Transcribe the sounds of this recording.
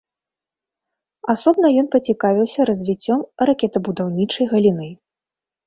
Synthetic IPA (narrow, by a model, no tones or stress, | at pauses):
asɔbnɐjɔnpɐt͡sʲikavʲiwsʲɐɾɐzʲvʲit͡sʲːɔmrakʲɛt̪ɐbud̪awnʲit͡ʂɐjɣɐlʲinɨ